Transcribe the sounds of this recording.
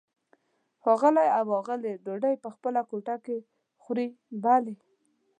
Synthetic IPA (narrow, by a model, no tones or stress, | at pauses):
xɔɣəlajawɔɣəleɖoɖajpəxpəlakoʈake | xɾi | bale